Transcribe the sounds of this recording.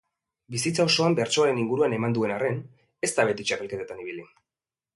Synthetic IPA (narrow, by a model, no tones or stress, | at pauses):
bisit͡sao̞so̞ambe̞ɾt͡ʃo̞aɾe̞niŋɡuɾuane̞mand̪ue̞nare̞n | e̞st̪aβe̞t̪it͡ʃape̞lke̞t̪et̪aniβ̞ili